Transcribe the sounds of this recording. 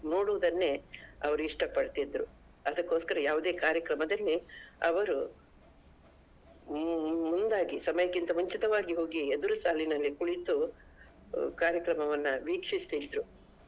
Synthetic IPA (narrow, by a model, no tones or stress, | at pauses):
no̞ːɽuʋud̪ɐnːeɐʋɐɾuiʂʈɐpɐɽt̪id̪ɾu | ɐd̪ɐkːo̞ːskɐɾɐjaːʋud̪e̞ːkaːɾjɐkɾɐmɐd̪ɐlːiɐ̰ʋɐɾu | mund̪aːɡisɐmɐjɐkint̪ɐɦuɲt͡ʃit̪ɐʋaːɡiɦo̞ːɡied̪uɾusaːlinɐlːikuɭit̪u | kaːɾjɐkɾɐmɐʋɐnːuʋiːkʂist̪id̪ɾu